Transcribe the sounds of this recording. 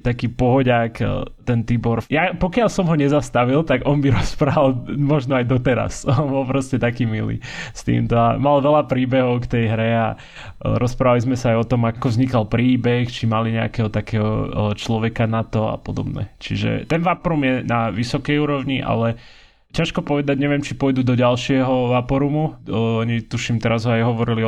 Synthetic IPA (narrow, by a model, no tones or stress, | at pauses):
t̪akiːpɔɦɔɟakt̪ɛnt̪iːbɔɾjapɔkɪaʎsɔmɦɔɲɛzast̪aʋilt̪aɡɔnbiɾɔspɾaʋalˠmɔʒnɔajd̪ɔt̪ɛɾa̰sɔnbɔlˠpɾɔscɛt̪akiːmḭlḭːst̪ḭːmt̪ɔa̰malʋɛlapɾiːbɛɦɔʊkt̪ɛjɦɾɛa | ɾʔɔspɾaːʋalizmɛsaajɔt̪ɔmakɔvzɲikalpɾiːbɛxt͡ʃimaliɲɛa̰kɛɦɔt̪akɛːɦɔ̰t͡ʃlɔʋɛkanat̪ɔa̰pɔd̪ɔ̰bnɛ̰t͡ʃiʒɛ̰t̪ɛnʋapɔɾumjɛnaʋisɔkɛjuːɾɔʊɲiʔa̰lɛ | caʃkɔpɔʋɛd̪aɟɲɛʋɪɛmt͡ʃipɔjd̪uːd̪ɔɟalʃɪɛɦɔʋapɔɾumuɔɲit̪uʃimt̪ɛɾazɦɔajɦɔʋɔɾili